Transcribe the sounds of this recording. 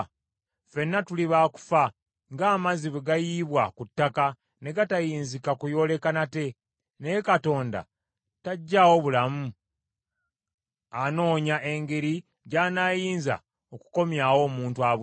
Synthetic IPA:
fe̞nːatuliβaːku̥fa | ŋɡaːmaziβeɡajiːβwakutːaka | ne̞ɡatajiːnzikakujo̞ːle̞kanate̞ | nejekato̞ːnda̰ | taɟːawo̞βulamu | ano̞ːɲaʔe̞ŋɡe̞ɾi | ɟaːnajiːnza̰ | oku̥ko̞mjawo̞ːmuːntuaβu

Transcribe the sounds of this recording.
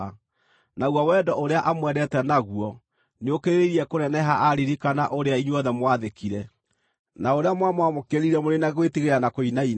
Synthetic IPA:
naɣwawɛdɔʔoɾeaʔamwɛɾɛtɛnaɣuɔ | neokeɾeiɾiɛkoɾɛnɛɦaʔaɾiɾikanaʔoɾeaiɲwɔðɛmwaðekiɾɛ | naoɾeamwamwamokeɾiɾɛmoɾenaɣwetiɣeɾanakoinain

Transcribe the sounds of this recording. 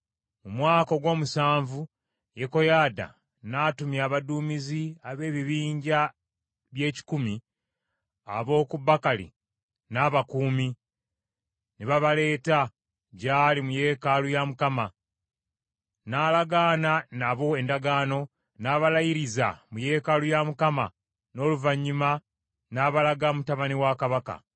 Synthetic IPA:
mumwaːko̞ɡwo̞ːmusaːɱvu | jeko̞jaːda̰ | naːtumjaːβaduːmiziaβe̞ːβiβiːɲɟa | βje̞ːci̥kumi | a̰βo̞ːkuβakalḭ | naːβakuːmi | niβaβale̞ːta | ɟaːlimuje̞kalujamukama | naːlaɡaːnanaβo̞e̞ndaɡaːno̞ | naːβalajiɾiza̰muje̞kalujamukama | no̞ːluvaɲːima | naːβalaɡamutaβaniwakaβaka̰

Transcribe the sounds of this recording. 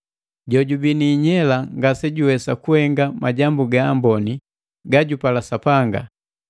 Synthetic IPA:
ɟɔɟubiniɲɛlaŋɡasɛɟuwɛsakuhɛŋɡamaɟambuɡaːmbɔni | ɡaɟupalasapaŋɡa̰

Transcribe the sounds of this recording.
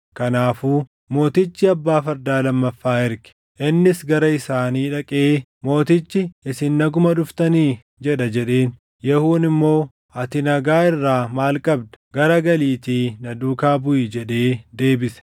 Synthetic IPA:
kɐnaːfuː | mo̞ːt̪ɪt͡ʃːɪɐbːaːfɐɾd̪aːlɐmːɐfːaːɪɾɡɪ̥ | ʔɪnːɪsɡɐɾɐɪsaːniːᶑɐkʼeː | mo̞ːt̪ɪt͡ʃːɪɪsɪnːɐɡʊmɐᶑʊft̪ɐniː | d͡ʒɛᶑɐd͡ʒɛᶑe̞ːn | jɛhuːnɪmːo̞ː | ʔɐt̪ɪnɐɡaːɪrːaːmaːlkʼɐbd̪ɐ̥ɡ̥ɐɾɐɡɐliːt̪iːnɐd̪uːkaːbʊʔɪd͡ʒɛᶑe̞ːd̪e̞ːbɪsɛ̥

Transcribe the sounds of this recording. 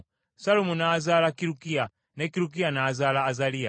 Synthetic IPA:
salumunaːzalakiɾukia | nɛkiɾuk̬ianaːzalaːzalia

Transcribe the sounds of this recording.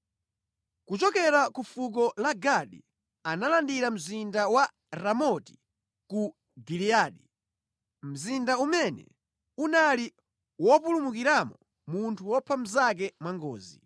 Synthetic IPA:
kut͡ʃɔkɛɾakufuk̬ɔlaɡaɗḭ | analandiɾam̩zindawa | ɾamɔti̥ | ku | ɡiliaɗi | m̩zindaumɛnɛ̰ | unali | wɔpulumukiɾamɔ | muntʰuwɔpʰam̩zak̬ɛmwaŋɡɔ̰ːzi

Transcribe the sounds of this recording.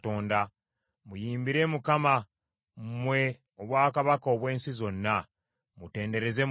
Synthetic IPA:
to̞ːnda | mujiːmbiɾe̞mukama | mmwe̞ | oβwaːkaβakoβwe̞ːnsizo̞nːa | mute̞ːnde̞ɾe̞ze

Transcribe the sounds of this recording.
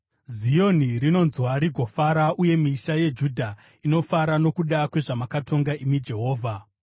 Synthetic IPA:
zijo̞nirino̞nzwaɾiɡʱo̞faɾaʔuje̞miːʃaje̞d͡ʒudʱa | ino̞faɾano̞kuɗakwe̞ʐamakatʰo̞ŋɡaʔimid͡ʒe̞ɦo̞ːvʱa

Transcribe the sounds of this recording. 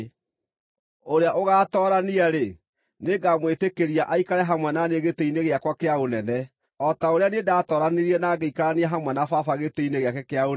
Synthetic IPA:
oɾeaʔoɣaːtɔːɾaniaɾe | neɡamwetekeɾiaʔaikaɾɛɦamwɛnaneɣeteineɣeakwakeaonɛnɛ | ɔtaoɾeanedaːtɔːɾaneɾiɛnaːɣeikaɾaniaɦamwɛnafafaɣeteineɣeakɛkeao

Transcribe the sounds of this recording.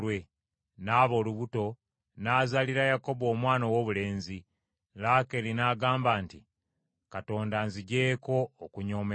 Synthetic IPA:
we̞ | naːβo̞ːluβuto̞ | naːzaliɾajako̞βo̞ːmwaːnowoβule̞ːnzi | lake̞linaːɡaːmbaːnti | kato̞ːndanziɟe̞ːko̞ːkuɲo̞ːme

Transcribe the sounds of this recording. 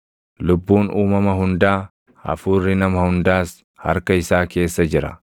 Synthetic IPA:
lʊbːuːnuːmɐmɐɦʊnd̪aː | ɐ̰fuːrːɪnɐmɐhʊnd̪aːs | hɐ̰ɾkɐɪsaːke̞ːsːɐd͡ʒɪɾɐ̰

